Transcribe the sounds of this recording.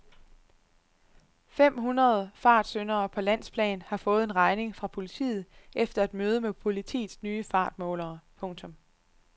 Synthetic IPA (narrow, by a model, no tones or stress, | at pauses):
fem̰ɦunʁɐð̞ˠfɑ̈ːd̥sønɐːpʰɒ̽læn̰spʰlɛ̰ːnhɑ̈fɔ̽ːð̩ˠe̝nʁɑ̈ɪne̝ŋfʁɑ̈pʰo̝lit͡sʰḭːð̞̩ˠʔefd̥ɐæd̥møːð̞ˠəmepʰo̝lit͡sʰḭːd̥snyːəfɑ̰̈ːd̥̚mɔ̰̽ːlɐːpʰɔ̽ŋt͡sʰɔ̽m